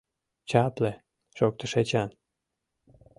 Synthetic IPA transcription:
t͡ɕap̪le | ʃok̚t̪ə̆ʃet͡ɕɑn

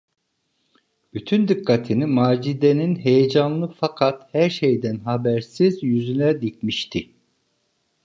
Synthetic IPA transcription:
b̥yt̪ʰynd̪ɯkːat̪ʰinimaːd͡ʒid̪eninɦe̞jed͡ʒanlːˠɯfakʰat̪hæɾʃejd̪ænɦabæɾsizjyzynɛd̪icmiʃt̪ʰi

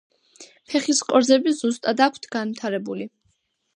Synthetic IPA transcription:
pʰɛχiskʼɔɾzɛbizust̪ʼad̪akʷʰt̪ʰɡ̥anvit̪ʰaɾɛbuli

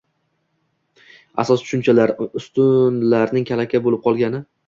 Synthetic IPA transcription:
a̰sɒst̪ʰʊ̥ʃʊnt͡ʃʰalaɾʊst̪ʊnlaɾnɪŋkʲʰalakʲabolɪp̚qʰɒlˠɡʲanɪ

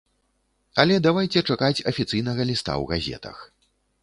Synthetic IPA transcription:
ɐlʲɛd̪avajt͡sʲɛt͡ʂakat͡sʲɐfʲit̪sɨjn̪ɐɣɐlʲist̪a̰wɣazʲɛ̰t̪ɐ̰x

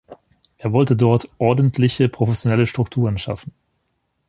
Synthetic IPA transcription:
ʔeːɐvɔltədɔɐtʔɔɐdn̩tʰlɪçəpʁ̥ofɛsjonɛləʃtʁ̥ʊktʰuːʁ̞ənʃa̰fn̩

